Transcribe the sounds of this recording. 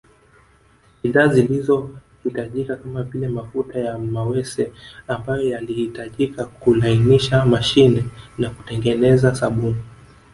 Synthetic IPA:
iðazilizɔhitaʄikakamavilɛmafutajamawɛsɛambajɔjalihitaʄikakulainiʃamaʃinɛnaku̥tɛŋɡɛnɛzasaɓumu

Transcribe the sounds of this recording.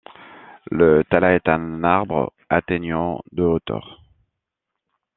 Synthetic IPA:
lət̪alaɛt̪ɛ̃naʁbʁə̰ | at̪eɲɑ̃d̪əot̪œ̰ːʁ

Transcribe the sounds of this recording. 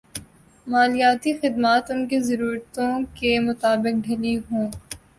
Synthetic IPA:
maːlijaːt̪ixɪd̪maːt̪ʊnkizɐɾuːɾt̪õkemʊt̪aːbɪk̚ɖʱeliɦõː

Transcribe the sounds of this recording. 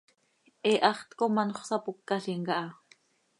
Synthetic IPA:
ʔɛʔɑχt̪komɑnoχsɑpukːɑɬiŋkɑʔɑ

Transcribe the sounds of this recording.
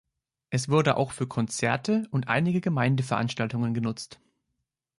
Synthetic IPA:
ʔɛsv̥ʊɐdəʔa̰ʊxfyːɐkʰɔnt͡sɛɐtəʊntʔa̰ɪnɪɡəɡəmaɪndəfɛɐʔanʃtaltʊŋənɡənʊt͡st

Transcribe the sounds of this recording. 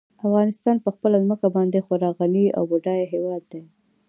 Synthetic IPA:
afɣɑnɪst̪ɑnpəxpəlazməkabɑnd̪exoɾɑɣania̰wbuɖɑjɦewɑd̪ːe

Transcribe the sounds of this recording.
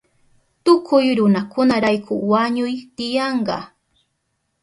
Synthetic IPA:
t̪ʊkʰʊjɾʊnakʊnaɾajkʰʊwaɲʊjt̪ɪjɑɴɢɑ̰

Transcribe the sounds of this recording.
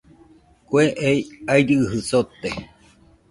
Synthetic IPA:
kʷeʔejaiɾɨhɨsot̪e

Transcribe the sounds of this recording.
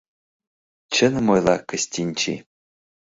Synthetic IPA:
t͡ɕə̆nmojlˠɑkə̆sʲtʲinʲt͡ɕḭ

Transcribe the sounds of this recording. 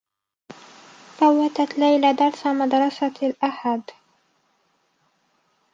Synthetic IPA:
θawːat̪at̪lajlad̪ɑɾˤsamad̪ɾˤɑsalʔaħad̪

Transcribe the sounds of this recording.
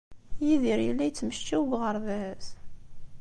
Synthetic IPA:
jiðiɾjəlːæjt͡sːməʃt͡ʃæwɡʁəɾˤðæs

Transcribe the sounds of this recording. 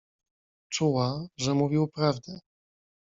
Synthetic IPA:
t͡ʂuwaʐɛmuvʲiwpɾavd̪ɛ

